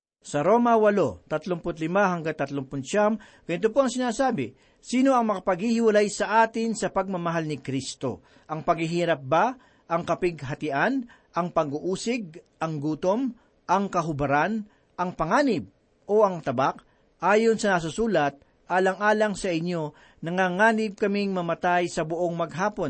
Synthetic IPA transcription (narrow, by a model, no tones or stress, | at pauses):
sɐɾo̞ːmɐwɐlo̞t̪ɐt̪loŋpʊt̪lɪmaɦɐŋɡaŋt̪ɐt̪loŋpʊnt͡ʃam | ɡ̥ɐnɪt̪̬opoɐŋsɪnaːsaːbɪ | siːno̞ʔɐŋmɐkɐpɐɡ̚hihɪwɐlajsɐʔaːt̪ɪnsɐpɐɡ̚mɐmɐɦalnɪkɾist̪o̞̰ | ʔɐŋpɐɡhɪɦiːɾɐp̚ba | ʔɐŋkɐpɪɡ̚ɦɐt̪ɪʔan | ʔɐŋpɐɡuʔuːsɪɡ̚ʔɐŋɡuːt̪o̞m | ʔɐŋkɐɦʊbɐɾan | ʔɐŋpɐŋaːnɪb̚ | ʔo̞ʔɐŋt̪ɐbak̚ | ʔaːjo̞nsɐnɐs̬ʊsuːlɐt̪̚ | ʔaːlɐŋʔaːlɐŋsɐʔɪɲːo̞ | nɐŋaŋaːnɪb̚kɐmɪŋmɐmɐt̪ajsɐbʊʔo̞ŋmɐɡ̚ɦaːpo̞n